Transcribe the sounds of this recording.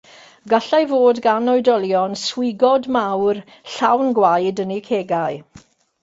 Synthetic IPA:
ɡaɬajvoːdɡanɔjdɔlˠjɔnswɪɡɔdmawr | ɬawnɡwajdənikʰeːɡaɨ

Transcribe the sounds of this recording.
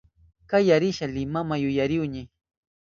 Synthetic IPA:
kajaɾɪʃalɪmamajʊjaɾɪwɲɪ

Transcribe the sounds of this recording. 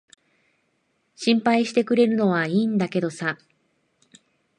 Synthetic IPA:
ɕĩmpaiɕi̥t̪e̞kɯ̟ɾe̞ɾɯ̟no̞βaiːnd̪ake̞d̪o̞sa

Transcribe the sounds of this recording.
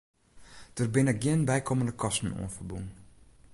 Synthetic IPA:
d̥ərbɪnək̚ɡiənbɛjkʰoməndəkʰɔstn̩ṵənfərbun

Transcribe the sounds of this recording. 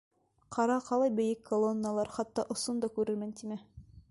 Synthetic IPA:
qʰɑɾɑqɑlˠɑjbɘ̆jɘkʰːolˠonːəlˠɑɾχɑt̪ːɑʔŏsond̪ɑkʉɾɘ̆ɾmɘnt̪imɘ

